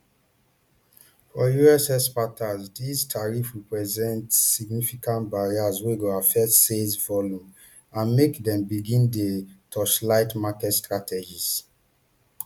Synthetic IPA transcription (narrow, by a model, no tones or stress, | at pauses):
fɔjuɛsɛspatazdistʰaɹifɹipɹɛzɛ̃ntsiɡnifikãntbaɹiasweɡoafɛtsesvɔljũm | ãnmekdɛ̃mbiɡĩndetʰɔʃlaɪtmakɛtstɹatʰɛd͡ʒiz